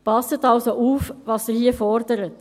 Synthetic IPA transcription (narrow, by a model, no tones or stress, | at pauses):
pɑsətɑlsoʔuːfvɑːsdəhiəfɔɾdəɾət